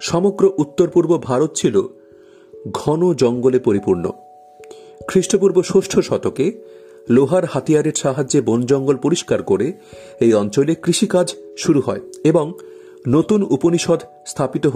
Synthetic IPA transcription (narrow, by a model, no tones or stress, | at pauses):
ʃɔmoɡɾoʔut̪ːoɾpuɾbobʱaɾot̪t͡ɕʰilo | ɡʱɔnod͡ʑɔŋɡolepoɾipuɾno̰ | kʰɾiʃʈopuɾboʃoʃʈʰoʃɔt̪oke | loɦaɾhat̪ijaɾeɾʃaɦad͡ʑebond͡ʑɔŋɡolpoɾiʃkaɾkoɾe | ejɔnt͡ɕolekɾiʃikad͡ʑʃuɾuhɔeeboŋ | not̪unuponiʃod̪ʱ | st̪ʰapit̪oɦo